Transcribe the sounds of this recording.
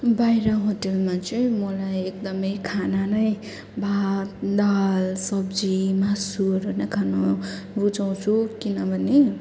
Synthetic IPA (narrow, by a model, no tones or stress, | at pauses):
bajɾʌɦoʈelmat͡sʌĩmʌlajekd̪ʌmʌjkʰananʌj | bʱat̪d̪alsʌbd͡zimasuɾɦojnʌkʰano | but͡saw̃t͡sʰukinʌbʱʌne